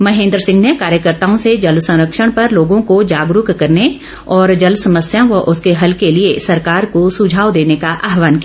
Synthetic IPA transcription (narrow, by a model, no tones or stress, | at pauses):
mɐɦẽːnd̪ɾəsɪ̃ŋɡnekaːɾjəkəɾt̪aːõsed͡ʒɐlsɐ̃ɾəkʃəɽ̃pɐɾloːɡõkod͡ʒaːɡɾʊkkɐɾne | ɔːɾd͡ʒɐlsɐməsjãʋoʔʊskeɦɐlkeliesɐɾkaːɾkosʊd͡ʒʱaːwd̪eːnekaʔaːɦʋaːnkij